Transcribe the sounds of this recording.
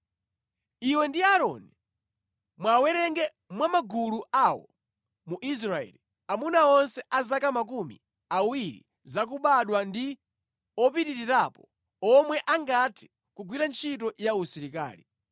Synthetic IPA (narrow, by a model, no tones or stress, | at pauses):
iwɛndiaɾɔni | mwawɛɾɛŋɡɛ | mwamaɡuluawɔ̰ | muʔis̬ɾaɛ̰ːli | amunaɔnsɛʔazakamak̬umḭ | awiɾḭ | zak̬uɓaɗwandi | ɔpitiɾiɾapɔ | ɔmwɛʔaŋɡatʰi̥ | kuɡwiɾant͡ʃʰit̬ɔjausiɾika̰ːli